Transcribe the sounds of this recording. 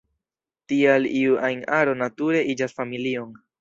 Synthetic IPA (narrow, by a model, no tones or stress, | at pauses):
tialiuʔajnaɾo̞natuɾe̞ʔid͡ʒasfamilio̞n